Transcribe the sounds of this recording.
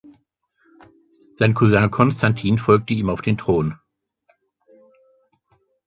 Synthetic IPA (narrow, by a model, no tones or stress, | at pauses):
z̥aɪnkʰuzɛ̃kʰɔnstʰantʰiːnfɔlk̚təiːmaʊfd̥eːntʁ̥oːn